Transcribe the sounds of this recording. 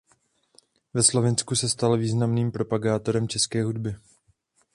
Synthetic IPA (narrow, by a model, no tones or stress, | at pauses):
vɛslo̞vɪnskusɛst̪alviːznamniːmpɾo̞paɡaːt̪o̞ɾɛmt͡ʃɛskɛːɦudbɪ